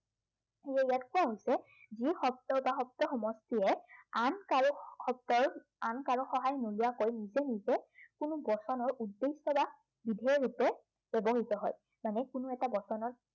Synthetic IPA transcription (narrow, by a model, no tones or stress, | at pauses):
xejɛijatkʊaɦojsɛ | zixɔptɔbaxɔp̚tɔxɔmɔstiɛanaxɔp̚tɔɹ | ankaɹɔxɔɦajnuliakojnizɛnizɛkʊnʊbɔsɔnɔɹudːesɔba | bidʱɛɹupɛ | b̥ɛbɔɦitɔɦɔ̰j | manɛkʊnʊɛtabɔsɔnɔɹ